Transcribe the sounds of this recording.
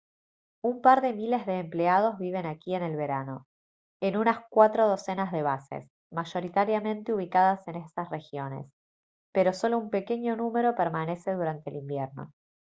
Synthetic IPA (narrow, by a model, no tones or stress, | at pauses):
umpaɾðe̞mile̞zðe̞ːmpleað̞o̞zβiβ̞e̞nakie̞ne̞lβe̞ɾano̞ | enunaskwat̪ɾo̞ð̞o̞se̞nazðe̞βasḛs | maʒo̞ɾit̪aɾjamẽ̞nt̪euβ̞ikaðase̞nest̪asre̞xjo̞ne̞̰s | pe̞ɾo̞so̞lo̞umpe̞ke̞ɲo̞nume̞ɾo̞peɾmane̞se̞ðuɾant̪eːlimbjeɾno̞̰